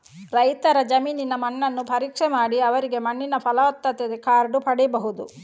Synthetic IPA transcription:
ɾɐjt̪ɐɾɐd͡ʒɐmiːninɐmɐɳːɐnːupʰɐɾiːkʂɛmaːɽiɐʋɐɾiɡe̞mɐɳːinɐpʰɐlɐʋɐt̪ːɐt̪ed̪ekaːɾɖupʰɐɽibɐɦud̪u

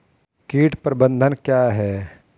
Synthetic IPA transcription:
kiːʈpəɾbə̃nd̪ʱənkjaːɦɛː

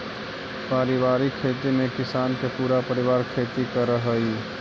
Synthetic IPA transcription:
paːɾɪʋaːɾikʰeːt̪imẽkɪsaːnkepuːɾapəɾɪʋaːɾkʰeːt̪ikəɾəɦəi

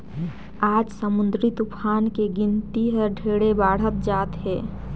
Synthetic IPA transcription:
aːd͡ʒsəmʊnd̪ɾit̪upʰaːnkeɡɪnt̪iɦəɾɖʱeːɽebaːɽ̤ət̪̚d͡ʒaːt̪ɦɛː

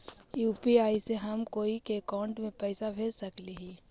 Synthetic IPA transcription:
juːpiaːiseɦɐmkoːikeːkaːʊ̃ɳʈmẽpɛːɪsabʱeːlsɐkliɦiː

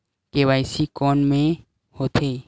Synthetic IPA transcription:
keʋaɪsikɔːnmẽ | hot̪ʰe

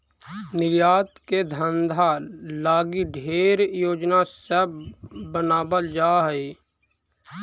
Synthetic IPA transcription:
nɪɾjaːt̪ked̪ʱənd̪ʱalaːɡiɖʱeːɾjoːd͡ʒnasebənaːbəld͡ʒaːɦɛi

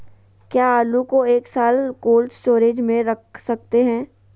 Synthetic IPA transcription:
kjaːaːlukoeːksaːlkoːlst͡ʃoːɾeːd͡ʒmẽɾɐk̚ʰsɐk̚t̪eɦɛ̃ː

